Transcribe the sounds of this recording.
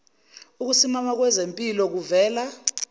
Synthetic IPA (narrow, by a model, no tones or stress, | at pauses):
uk̬usimamak̬wɛzempʼilɔk̬uvɛːla